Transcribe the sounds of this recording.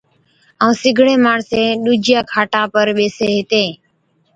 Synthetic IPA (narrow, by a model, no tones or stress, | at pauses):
əũːsɪɡʱɽẽːmaːɳsẽːɗuːd͡ʒɪjãːkʰaːʈãːpəɾɓeːseːɦɪt̪ẽː